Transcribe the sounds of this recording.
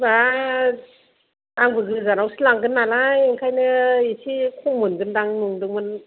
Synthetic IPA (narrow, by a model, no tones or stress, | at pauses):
ba | aŋbɯɡɯzaɾawsilaŋɡɯnːalajŋkʰajnɯisʰikʰɔmɯnɡɯndaŋnuŋdɯŋmɯn